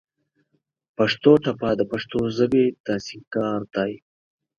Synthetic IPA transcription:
pɐʂt̪oːt̪apaːd̪əpɐʂt̪ozəbet̪aːsikaːɾt̪aːj

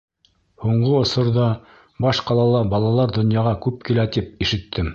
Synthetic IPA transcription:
huɴɢoŏsŏɾðɑ | bɑʃqɑlˠɑlˠɑbɑlˠɑlˠɑɾd̪ŏnjɑʁɑkʉp̚kilæt̪ip̚iʃɘ̆t̪ʰːɘm

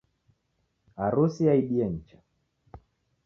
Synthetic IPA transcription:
aɾusiaiɗiaɲ̩t͡ʃḁ

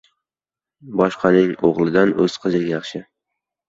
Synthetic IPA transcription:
bɒʃqʰɑnɪŋoʁlˠɪd̪anɵz̥qʰɨzɪɡʲajɑχʃɪ

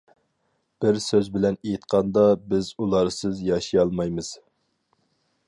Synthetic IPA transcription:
b̥ɪɾsøzbɪlɛnejit̪qʰɑnd̪ɑbɪzulˠɑɾsɨzjɑʃijɑlˠmɑjmɨz̥

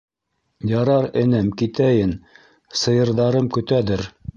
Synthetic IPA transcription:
jɑɾɑɾɘ̆nɘmkit̪æjɘn | sɤ̆jɤ̆ɾðɑɾɤmkɵ̆t̪æðɘɾ

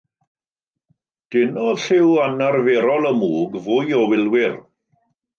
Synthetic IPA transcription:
d̥ɪnɔɬɪwanarveːɾɔlˠəmuːɡvʊjɔwɪlˠwɪr

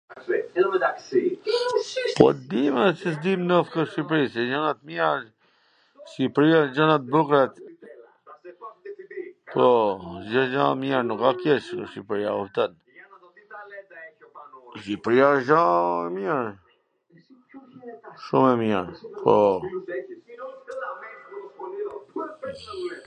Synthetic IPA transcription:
pɔ̰d̪imɛsisd̪imnəfk̪əʃipɾisɛd͡ʒanat̪̚mjɛɾ | ʃipɾiad͡ʒanat̪̚bukɾɛt̪ | pɔʒəʒãmjɛɾnukakɛʃʃipɾia̰uft̪ən | ʃipɾijaʒãɛmjɛɾ | ʃumɛmjɛɾpʰɔ

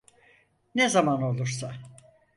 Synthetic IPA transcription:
nezamano̞lˠuɾsa

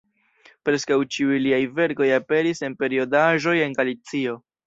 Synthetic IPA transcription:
pɾe̞skawt͡ʃiujliajve̞ɾko̞jape̞ɾise̞npe̞ɾio̞daʒo̞je̞nɡalit͡sio̞

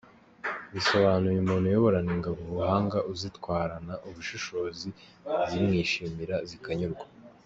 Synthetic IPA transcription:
βiso̞βaːnujimuːnhujoβoɾaniŋɡaβuβuhaːŋɡaʔuzitkwaːɾanaʔuβuʃuʃo̞ːzi | zimŋiːʃiːmiɾazikaɲuɾɡwa

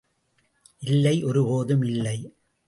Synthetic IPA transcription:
ʔɪlːɐɪʔɔɾɯpoːðɯmɪlːɐɪ

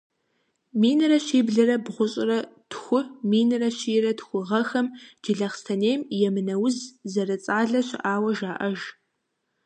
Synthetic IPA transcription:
miːnɨrɐɕiːbɮɐɾɐbʁʷʊɕʼɪrɐtxʷʊmiːnɨrɐɕiːrɐtxʷʊʁɐxɐmd͡ʒɪɮɐχstʰɐneːjmjɛmɨnɐwʊzzɐrɨt͡sʼaːɮɐɕɪ̰ʔaːwɐʒaːʔɐʒ

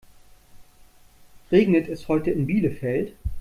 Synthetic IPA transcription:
ʁeːɡnətɛsthɔʏtəɪnbiːləfɛlt

